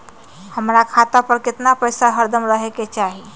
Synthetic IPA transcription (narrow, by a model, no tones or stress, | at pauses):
həmɾakʰat̪apəɾkɪt̪napəjsaɦəɾd̪əmɾəɦeket͡ʃaɦi